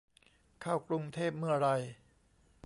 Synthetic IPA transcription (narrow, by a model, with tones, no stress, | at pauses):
kʰaː˥˩wkɾu˧ŋt̪ʰeː˥˩p̚mɯ˥˩ɐɾa˧j